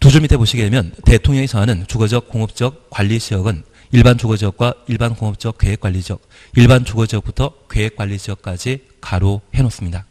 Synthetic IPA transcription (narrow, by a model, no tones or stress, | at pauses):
tud͡ʑuɭmitʰe̞boɕʰiɡede̞mjʌnte̞tʰoŋɲjʌŋesʰawanɯnt͡ɕuɡʌd͡ʑʌk̚k͈oŋɯp̚t͡ɕ͈ʌk̚k͈waʎːiɕʰiʌɡɯn | iɭbant͡ɕuɡʌd͡ʑʌk̚k͈waiɭbankoŋɯp̚t͡ɕ͈ʌk͈̚weɦek͈waʎːid͡ʑʌk̚ | iɭbant͡ɕuɡʌd͡ʑiʌk̚putʰʌkwe̞ɦekwaʎːiɕʰiʌk̚k͈ad͡ʑi | kaɾohenos͈ɯmɲida